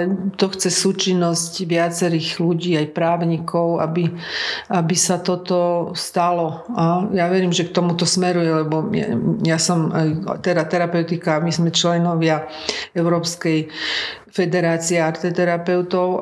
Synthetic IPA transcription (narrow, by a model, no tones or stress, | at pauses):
t̪ɔxt͡sɛsuːt͡ʃinːɔscʋɪat͡sɛɾiːɣluɟiːajpɾaːʊɲikʰɔʊabi | abisat̪ɔt̪ɔst̪alɔajaʋɛɾiːmʒɛk̚t̪ɔmut̪ɔsmɛɾujɛlɛbɔɛ̰jasɔmajt̪ɛɾat̪ɛɾapɛʊt̪ikamizmɛt͡ʃlɛnɔʋɪa | ɛʊɾɔːpskɛj | fɛd̪ɛɾaːt͡siɛaɾt̪ɛt̪ɛɾapɛʊt̪ɔʊ